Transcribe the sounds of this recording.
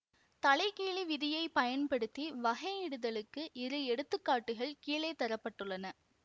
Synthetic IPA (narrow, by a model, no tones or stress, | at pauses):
t̪ɐɭɐɪkiːɭiʋɪðɪjɐɪpɐjɐnpɐɽɯt̪ːiʋɐɣɐɪɽɯðɐɭɯkːɯʔɪɾɯɛɽɯt̪ːɯkːaːʈːɯɣɐɭkiːleːt̪ːɐɾɐpːɐʈːɯɭːɐnɐ